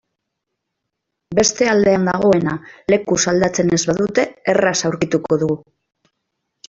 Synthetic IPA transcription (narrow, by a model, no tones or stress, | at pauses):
be̞st̪e̞ald̪e̞and̪aɣ̞o̞e̞nale̞kusald̪at͡se̞ne̞zβaðut̪e̞ːrasawɾkit̪uko̞ðuɣu